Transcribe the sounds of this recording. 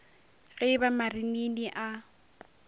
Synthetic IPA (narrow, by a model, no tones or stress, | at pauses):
ɣɛbamarininiʔa